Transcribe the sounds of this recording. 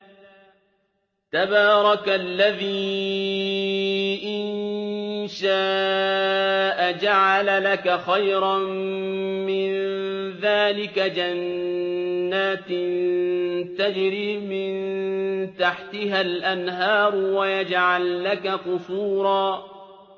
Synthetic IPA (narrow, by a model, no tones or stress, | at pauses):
t̪abaːɾˤɑklːaðiː | ʔɪnnʃaː | ʔad͡ʒaʕalalakaxajɾɑmmɪnðaːlɪkad͡ʒanː | aːt̪nt̪ad͡ʒɾiːmɪnt̪aħt̪ɪɦalʔanɦɑːɾˤwajad͡ʒʕalːakakʊsuːɾˤɑː